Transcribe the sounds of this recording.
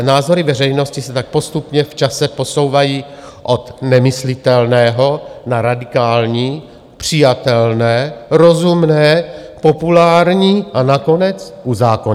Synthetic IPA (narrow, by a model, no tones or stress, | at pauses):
naːzo̞ɾɪvɛr̝ɛjno̞scɪsɛt̪ak̚po̞st̪upɲɛft͡ʃasɛpo̞so̞wvajiː | ʔot̪nɛmɪslɪt̪ɛlnɛːɦo̞naɾadɪkaːlɲiː | pr̝̥ɪjat̪ɛlnɛːɾo̞zumnɛːpo̞pulaːɾɲiːʔanako̞nɛt͡sʔuzaːkoɲ